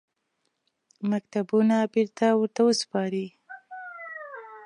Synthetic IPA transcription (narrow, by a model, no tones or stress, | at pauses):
mak̚t̪abunabɪɾt̪awəɾt̪awəspɑɾi